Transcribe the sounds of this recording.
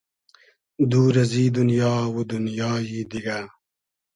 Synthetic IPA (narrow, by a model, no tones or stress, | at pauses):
d̪uːɾɐziːd̪unjɑːwod̪unjɑːjiːd̪iɡaː